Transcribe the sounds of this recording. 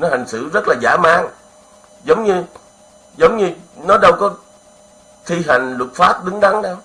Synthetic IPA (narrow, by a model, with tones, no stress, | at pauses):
nɔ˨˦ha˨˩jŋ̟sɨ̰˧˨zə˦˥t̚laː˨˩zaː˧˩˦maː˨˦ŋ | zə˨˦wŋ͡mɲɨ˧ | zə˨˦wŋ͡mɲɨ˧nɔ˨˦ɗə˧wkɔ˨˦ | t̪ʰi˧ɦa˨˩jŋ̟lʊ˨˩t̚faː˦˥p̚ɗɨ˨˦ŋɗa˨˦ŋɗa˧w